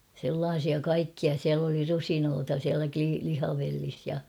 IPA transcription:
selːɑːsiɑ kɑikːiɑ siæl oli rusinoːtɑ siælæ kli lihɑʋelːis jɑ

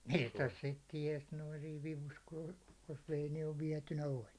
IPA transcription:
mistæs sit tiɛs noin̞ siːʋ ʋiʋus ku o̥l̥ jos ʋei niːʋ ʋiɛtynæ olʲ

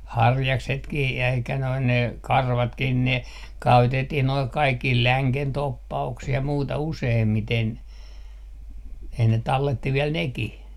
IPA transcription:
hɑrjɑksetkih jæi eikæ noin ne kɑrʋɑtkih ne kæytetːih noi kɑikːih læŋken topːɑuksih jɑ muːtɑ useːmːiten ei ne tɑlːetːi ʋiɛl nekih

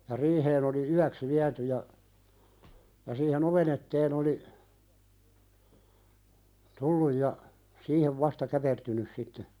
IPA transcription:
jɑ riːheːn oli yæks ʋiæty jɑ jɑ siːhen oʋen etːeːn oli tulːuj jɑ siːheʋ ʋɑstɑ kæpertynys sitːe

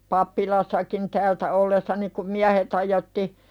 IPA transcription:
pɑpːilɑsːɑkin tæːltæ olːesːɑni kum miæhet hɑjotːi

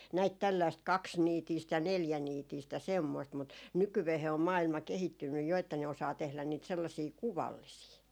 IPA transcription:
næit tælːæist kɑksniːtiːst jɑ neljæniːtiːst jɑ semːoist mut nykyʋeːhe om mɑːilmɑ kehitːynːyj jo etːæ ne osɑː tehlæn niːt selːɑsiː kuʋɑlːisiː

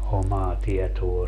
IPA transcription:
omɑː tiɛtoː

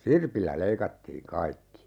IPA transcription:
sirpilːæ leikɑtːiːŋ kɑikːi

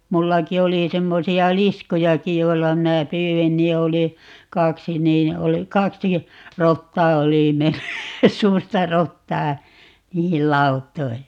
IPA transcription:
mulːɑki oli semːosiɑ liskujɑki joilːɑ minæ pyːwin ni oli kɑksi niːn oli kɑksi rotːɑː oli menːy suːrtɑ rotːɑː niːhil lɑutˑoi

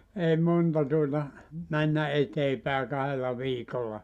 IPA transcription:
ei montɑ tuotɑ mænːæ eteː pæˑe kɑhelːɑ ʋiːkolːɑ

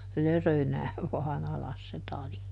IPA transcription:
lørønæːʋ ʋɑːn ɑlɑs se tɑli

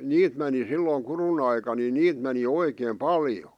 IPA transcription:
niːt meni silːoĭŋ kurun ɑikɑ ni niːt meni oikeːm pɑljo

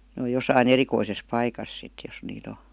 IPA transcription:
n oːj josɑin erikoises pɑikɑs sit jos niːt o

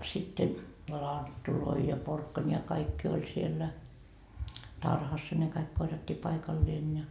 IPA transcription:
sitːe lɑntːuloi jɑ porkːɑnʲi jɑ kɑikːi olʲ sielːæ tɑrhɑsːɑ ne kɑik korjɑtːiː pɑikɑlːeːn jɑ

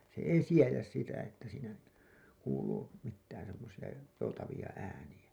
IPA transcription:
se ei siejæs sitæ etːæ siːnæ kuːluː mitːæːn semːosiɑ joutɑʋiɑ æːniæ

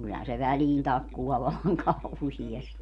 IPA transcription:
kylːæhæn se ʋæliːn tɑkːuw̆ɑː ʋɑlːɑŋ kɑuhiesti

